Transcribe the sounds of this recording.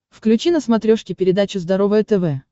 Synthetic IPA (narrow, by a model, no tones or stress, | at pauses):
fklʲʉt͡ɕinəsmɐt̪ɾʲoʂkʲɪpʲɪɾʲɪd̪at͡ɕʊzd̪ɐɾo̞vəjət̪ɛvɛ